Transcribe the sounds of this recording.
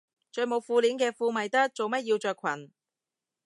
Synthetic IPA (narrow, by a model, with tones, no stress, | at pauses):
t͡ʃɵː˧mo˨˧wfuː˧liː˨˥nkɛː˧fuː˧mɐ˨jt̪ɐ˥k̚t͡so˨wmɐ˥t̚jiː˧wt͡ʃœː˨˧kʰwɐ̰˨˩n